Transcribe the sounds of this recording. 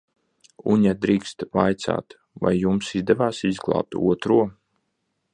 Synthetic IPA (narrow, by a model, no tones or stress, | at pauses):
ṵɲad̪ɾiːkst̪vajt̪sa̰ːt̪ | va̰jːumsizd̪ɛvaːsizɡlˠɑ̰ːp̚t̪ṵɔt̪ɾuɔ